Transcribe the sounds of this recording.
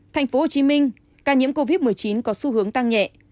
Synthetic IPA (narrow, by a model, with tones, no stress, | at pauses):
t̪ʰa˨˩jŋ̟fo˨˦ho˨˩t͡ɕi˨˦mï˧ŋ̟ | kaː˧˩ɲḭ˧˥əmko˧vi˦˥t̚mɨ˨˩əjt͡ɕi˨˦nkɔ˨˦su˧hɨ˨˦əŋt̪a˧ŋɲɛ̰˧˨ʔ